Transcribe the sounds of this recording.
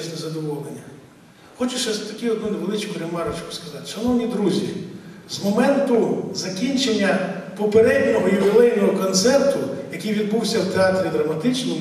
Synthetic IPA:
ʃnʲɛzɐd̪ɔʋɔlˠenʲːɐ | xɔt͡ʃʊʃɛt̪ɐkʲiɔd̪nuneʋelˠɪt͡ʃkʊɾemɑɾɐt͡ʃkʊ̥skɐzɑt̪e̥ʃɐnɔwnʲid̪ɾuzʲiz̥mɔmɛnt̪ʊzɐkʲinʲt͡ʃenʲːɐpɔpeɾɛd̪ʲnʲɔɦɔjʊʋʲɪlˠɛjnɔɦɔkɔnt̪sɛrt̪ʊjɐkijʋʲid̪̚buwsʲɐwt̪eɑt̪ɾʲid̪ɾɐmɐt̪ɪt͡ʃnɔm

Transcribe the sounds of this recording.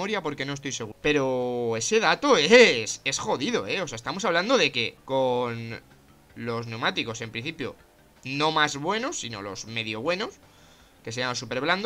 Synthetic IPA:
oɾjapo̞ɾke̞no̞est̪ojse̞ɣupe̞ɾo̞e̞se̞ðat̪oese̞sxo̞ðiðo̞eo̞seaest̪amo̞saβland̪o̞ðe̞ke̞ko̞n | lo̞zne̞wmat̪iko̞se̞mpɾin̟θipjo̞̰ | no̞mazβwe̞no̞sːino̞̰lo̞̰zme̞ðjo̞βwe̞no̞s | ke̞s̬eanlos̬ːupe̞ɾβland̪

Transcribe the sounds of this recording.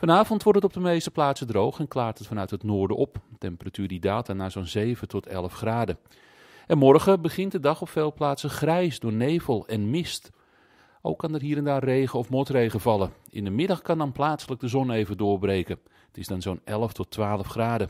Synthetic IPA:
fɑnaːvɔntʋɔrtətɔp̚dəmejstə̥plaːtsədrowxɛnklaːrtɦətfɑnœɥthətnʊːɹdəʔɔptɛmpəratyːrdidaːtʰaːnaːzownzeːvətʰɔtʰɛlˠəfxraːdə | ɛnmɔrɣəbəɣɪntdədɑχɔpfeːlˠplaːtsəxrɛjsdʊːrneːvəlˠɛnmɪst | ʔo̰wkːɑnərɦiːɾɛndaːrrejɣəɔfmɔtrejɣəvɑlˠəɪ̰ndəmɪdɑxkɑndɑnplaːtsələk̚dəzɔneːvədʊːrbrejkə | ətɪzdɑnzownɛlˠəftʰɔtʰːʋaːləfxraːdə

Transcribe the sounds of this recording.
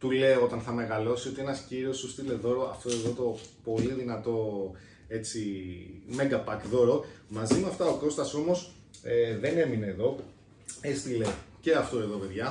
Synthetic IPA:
t̪ule̞o̞t̪ɐnθɐme̞ɣɐlo̞sio̞t̪ienɐsciɾio̞sust̪ile̞ðo̞ɾo̞ɐft̪o̞e̞ðo̞t̪opo̞liðinɐt̪o̞ | e̞t͡simeɡɐpɐkðo̞ɾo̞mɐzimeɐft̪ɐo̞ko̞st̪ɐso̞mo̞s | eðene̞mineːðo̞ | est̪ile̞ce̞ɐft̪o̞e̞ðo̞pe̞ðʝɐ

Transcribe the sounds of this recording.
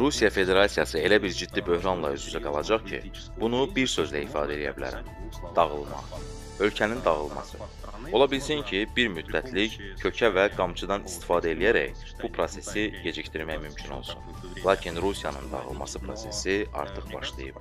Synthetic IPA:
ɾusijɑfe̞d̪e̞ɾɑsijɑsɯe̞læbiɾd͡ʒid̪ːibø̞hɾɑnlˠɑ̰yzyzæɡɑlˠɑd͡ʒɑχcʰḭ | b̥unubiɾsø̞zlæifɑ̰ːd̪æe̞lijæ̰bilæ̰ɾæ̰m | d̪̥ɑɣɯ̰lˠmɑ̰ | ø̞lcʰænind̪ɑɣɯlˠmɑ̰sɯ̰ | o̞lˠɑbilsincʰibiɾmyd̪ːæt̪ʰlic | cʰø̞cʰævæɡɑmt͡ʃʰɯd̪ɑnist̪i̥fɑːd̪æe̞lijæɾæ̰j | b̥upʰɾo̞se̞siɟe̞d͡ʒict̪iɾmæjmymcʰino̞̰lˠsun | lˠɑːcʰinɾusijɑnɯ̰nd̪ɑ̰ʁɯ̰lˠmɑ̰sɯpʰɾo̞̰se̞siɑ̰ɾt̪ʰɯχbɑ̰ʃlˠɯ̰jɯ̰b

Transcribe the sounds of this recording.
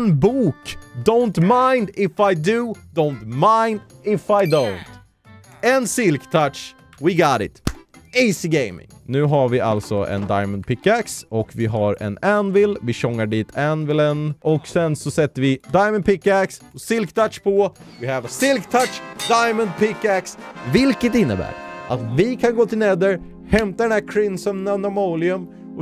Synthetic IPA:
nbuːkd̪õʊnt̪maɪnd̪ɪfaɪd̪ʉd̪̥oʊnt̪maɪnd̪ɪfaɪd̪õʊnt̪ | ɛnsɪlkt̪ʰaʈʂ | wɪɡɑɾɪ̰t̪iːsɪɡeɪmɪ̰ŋnʉ̟ːɦaɾvɪʔa̰lt̪sɔʔɛ̰nd̪a̰ɪmənd̪̚pʰɪkːæksɔkvɪɦaɾɛ̰nænvɪlvɪɕɔŋːaɖiːt̪ʰænvɪlənɔksɛnsɔsɛt̪ːəɾvɪd̪ajmən̚pʰɪkːæksɔsɪlkt̪ʰaʈʂpʰɔvɪhɛvasɪlkt̪ʰatʂd̪ajmənd̪̚pʰɪkːæksvɪlkət̪ɪnːəbæ̰ːɾʔat̪vɪkʰanɡoːt̪ʰɪlnɛd̪əɾ | hɛmt̪ad̪ɛnd̪æːɾkʰɾɪnsɔmnanamoːlɪɵm | ɔ

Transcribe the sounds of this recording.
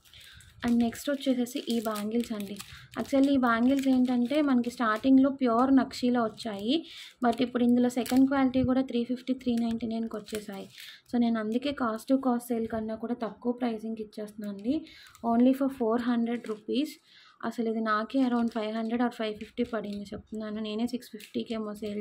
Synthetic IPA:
ɐɳɖneksʈːt͡ʃːeːseːsiʔiːbaːŋɡilsɐɳɖiɐ̰kt͡ʃɐliːbaːŋɡils̬eːɳʈɐɳʈe̞ːmɐnɐkisʈaːɾʈiŋɡlo̞ːpjuːɾnɐkʂiːloːʋɐt͡ʃːaːjibɐʈːipːuɽuind̪ulo̞ːsɛkɐɳɖ̚kʋaːliʈikuːɽaːt̪ʰɾiːpʰipʰʈiːt̪ʰɾiːnɐjnʈinɐjnkʋɐt͡ʃːeːsaːjiso̞ːne̞ːnuɐnd̪ukeːkaːsʈukaːsʈseːlkɐnːaːkuːɽaːt̪ɐkːuʋɐpɾɐjsiŋɡit͡ʃːeːst̪unɐɳɖio̞ːnlipʰɐɾpʰoːɾɦɐɳɖɾeɖɾupiːs | ɐ̰sɐlid̪inaːkeːɐɾɐwɳɖpʰɐjʋɦɐɳɖɾeɖaːɾpʰɐjʋpʰipʰʈiːpɐɽind̪it͡ʃep̚t̪unːaːnune̞ːne̞ːsikspʰipʰʈiːkeːmoːseːl

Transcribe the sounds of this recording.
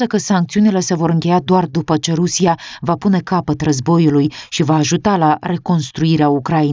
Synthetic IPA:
əkəsaŋk̚t̪siunile̞se̞vo̞ɾɨŋkʲe̞jad̪oard̪upət͡ʃe̞ɾusijavapune̞kapət̪rəzbo̞julujʃivaːʒut̪alare̞ko̞nst̪ɾuiɾeaukɾain

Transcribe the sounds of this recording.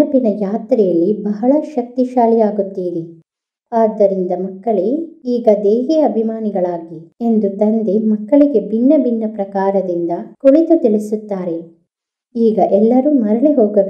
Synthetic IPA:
ɐpinɐjaːt̪ɾɛjɐlːibɐɦɐɭɐʃɐk̚t̪iʃaːlijaːɡut̪ːiːɾe | aːd̪ːɐɾind̪ɐmɐkːɐɭeiːɡɐd̪eːɦɛːɐɐbʱimaːniɡɐɭaːɡie̞nd̪ut̪ɐnd̪emɐkːɐɭiɡe̞binːɐbinːɐpɾɐkaːɾɐd̪ind̪ɐkoɭit̪ut̪iɭisut̪ːaːɾe̞ | iːɡɐʔɛlːɐɾuːmɐɾɐɭiɦoːɡɐu

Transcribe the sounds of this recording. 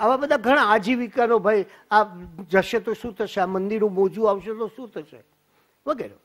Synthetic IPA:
aʋabəd̪ʱãɡʱəɽ̃aːd͡ʒiʋikanobʱaj | ad͡ʒəʃet̪oʃũt̪ʰəʃeamənd̪iɾnũmɔd͡ʒũaʋʃet̪oʃũt̪ʰəʃḛ | ʋəɡɛɾo̰

